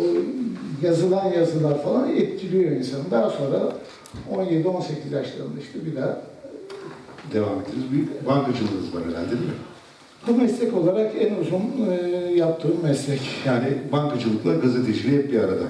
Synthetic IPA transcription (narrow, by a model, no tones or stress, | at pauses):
jazɯlˠanjazɯlˠaɾfalˠanɛt̪cʰilʲijoɾinsanɯnd̪aɦso̞nɾa | o̞nje̞d̪io̞nse̞cʰizjaʃlˠaɯnaiʃt̪ɛbid̪æɾ | d̪e̞vamed̪ːinizbibaŋkat͡ʃɯlˠɯnɯzbanaɾæ̰ɾd̪eime | humɛslʲɛco̞lˠaɾakɛnuzunjap̚t̪ʰːɯːmːɛslʲɛcjaːnibaŋkat͡ʃʰɯlˠɯklˠaɾɡaze̞t̪ʰed͡ʒilʲijɛp̪̚biaɾad̪a